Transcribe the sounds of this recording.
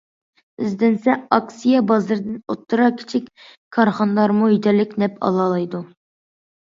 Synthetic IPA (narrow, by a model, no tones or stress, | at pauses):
yzd̪ɪnsɛɑksijɑbɑzɨɾd̪ɪnot̪ʰːɨɾɑkʲʰɪ̥t͡ʃʰikʲ | kʰɑɾχɑnd̪ɑɾmujyd̪ɛlːɪkʲnɛpʰɑ̰lˠɑlˠɨjd̪u